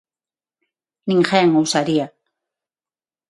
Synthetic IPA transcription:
niŋxaaŋawsaɾia

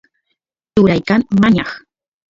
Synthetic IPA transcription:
t͡ʃʊɾajkaŋmaɲɑχ

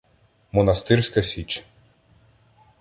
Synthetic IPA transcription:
mɔnɐst̪ɪrsʲkɐsʲit͡ʃ

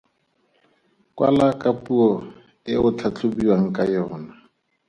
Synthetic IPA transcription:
kʼwa̰lakʼapʼuɔ | ɪʊt͡ɬʰat͡ɬʊbiwaŋ̩kʼajɔːna

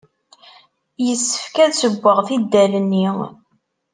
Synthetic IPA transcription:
jəsːə̥fkæðsəɡʷːəʁθid̪ːælənːi

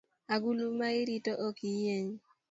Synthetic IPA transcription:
aɡulumaiɾitoʔokijeɲ

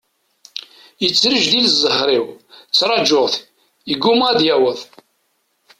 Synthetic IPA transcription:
jət͡sːɾəʒðilzˤːəhɾiwt͡sːɾˤɑd͡ʒʊʁθ | əɡːumæd̪jæwəð

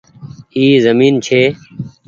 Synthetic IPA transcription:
iːzəmiːnt͡ɕʰeː

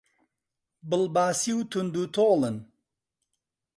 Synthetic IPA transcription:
bɨlbaːsiwt̪ʰund̪ut̪ʰoːlən

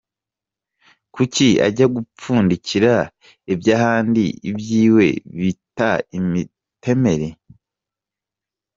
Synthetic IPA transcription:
kucia̰ɟaɡup͡fuːndiciɾa | ibɟaɦaːndḭibjiːwe̞̰βitaimi | te̞me̞ɾe

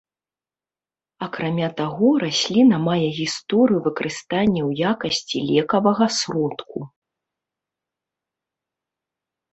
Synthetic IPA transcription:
ɐkɾamʲat̪aɣɔɾasʲlʲinɐmajɛɣʲist̪ɔɾɨjuvɨkɐɾʔɨst̪anʲːɛwjakɐsʲt͡sʲilʲɛkɐvɐɣɐsrɔt̪kʰu

